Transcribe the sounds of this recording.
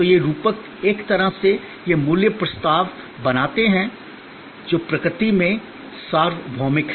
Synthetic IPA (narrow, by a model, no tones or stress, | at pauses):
t̪ojeɾuːpək | eːkt̪ɐɾəse | jemʊljəpɾɐst̪aːʋ | bɐnaːt̪eɦɛ̃ | d͡ʒoːpɾɐkɾɪt̪imẽ | saːɾʋbʱɔːmɪk